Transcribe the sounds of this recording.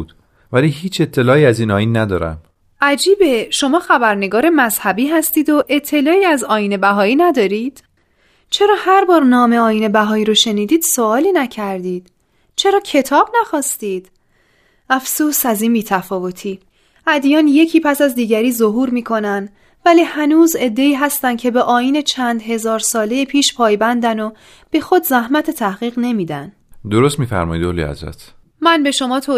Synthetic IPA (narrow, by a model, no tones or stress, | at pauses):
d̪̥ | væliːɦiːt͡ʃʰe̞t̪ʰːe̞lɒːiːæziːnɒːjiːnːæd̪ɒ̰ːɾæ̰m | ʔæd͡ʒiːbeʃo̞mɒːxæbæɾne̞ɡɒːɾe̞mæzhæbiːɦæst̪iːd̪o̞ʔe̞t̪ʰːe̞lɒːiːæzɒːjiːne̞bæɦɒːiːnæd̪ɒːɾiːd̪̥ | t͡ʃʰe̞ɾɒːhæɾbɒːɾnɒːmeɒːjiːne̞bæɦɒːiːɾoʃe̞niːd̪iːd̪̥so̞ɒːliːnæcʰæɾd̪iːd̪̥ | t͡ʃʰe̞ɾɒːcʰe̞t̪ʰɒːbnæxɒːst̪iːd̪̥ | æfsuːsæziːnbiːt̪ʰæfɒːvo̞t̪ʰiː | ʔæd̪ijɒːnje̞cʰiːpʰæsæzd̪iːɟæɾiːzoɦuːɾmiːkʰo̞næn | væliːhænuːze̞d̪ːe̞iːɦæst̪ænd̪cʰe̞be̞ʔɒːjiːne̞t͡ʃʰænd̪ɦe̞zɒːɾsɒːle̞jepʰiːʃpʰɒːjbænd̪æno | b̥e̞xo̞d̪zæhmæt̪ʰe̞t̪ʰæhɣiːɣne̞miːd̪æn | d̪o̞ɾost̪miːfæ̰ɾmɒ̰jid̪olḭæ̰zɾæ̰t̪ʰ | mænbe̞ʃo̞mɒːt̪ʰoː